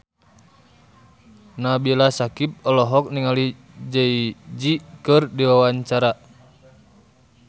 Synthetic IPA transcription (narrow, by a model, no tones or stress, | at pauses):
nabilasakip̚ɔlɔɦɔk̚niŋali | d͡ʒəid͡ʒikɨrdiwawaɲt͡ʃaɾa